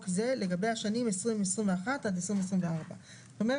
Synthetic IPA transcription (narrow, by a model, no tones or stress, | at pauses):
kzeleɡabejaʃanimesʁimesʁimveaχatadesʁimes̬ʁimveaʁba | zzt̪omeʁ